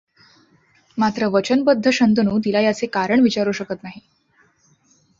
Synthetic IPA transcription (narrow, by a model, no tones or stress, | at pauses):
mat̪ɾəʋət͡ɕənbəd̪ʱːəɕənt̪ənuːt̪̬ilajəsekaɾəɳʋit͡ɕaɾuɕəkət̪naɦi